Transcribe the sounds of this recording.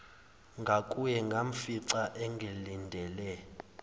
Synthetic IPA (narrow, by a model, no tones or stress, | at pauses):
ŋɡʱakʼujɛŋɡʱaɱ̩fiǀaʔɛŋɡʱelindʱɛlɛ